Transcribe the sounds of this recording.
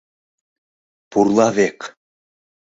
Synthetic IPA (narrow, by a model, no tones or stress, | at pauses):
purlˠɑvek